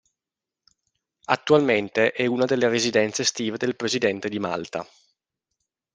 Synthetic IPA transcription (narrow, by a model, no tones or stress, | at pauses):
at̪ːualment̪eʔɛunad̪elːeɾezid̪ɛnt̪sest̪iːved̪elpɾezid̪ɛnt̪ed̪ima̰lt̪a̰